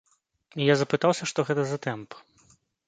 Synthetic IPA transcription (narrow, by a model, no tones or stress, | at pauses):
ijazɐpɨt̪awsʲɐʂt̪ɔɣɛt̪ɐzɐt̪ɛmp